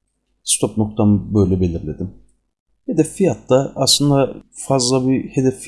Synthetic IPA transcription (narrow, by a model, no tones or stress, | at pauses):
st̪ʰo̞pnok̚t̪ʰambøjlʲɛbe̞lʲiɾlʲe̞d̪im | he̞d̪ɛfːijat̪ːaa̰slˠɯnd̪afazlˠabihe̞d̪ɛfː